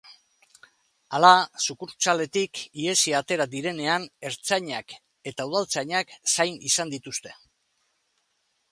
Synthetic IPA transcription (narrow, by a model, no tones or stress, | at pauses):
alasukuɾt͡sale̞t̪ikie̞siat̪e̞ɾad̪iɾe̞ne̞ane̞ɾt͡saɲak | e̞t̪auð̞alt͡saɲaksajnisand̪it̪ust̪e̞